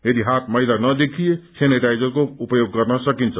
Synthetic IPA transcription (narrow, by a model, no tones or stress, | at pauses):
jed̪iɦat̪ʰməɦɪd̪anəd̪ekʰieseneʈajd͡ʒəɾkoupjoɡ̚kəɾnəsəkint͡ʃʰə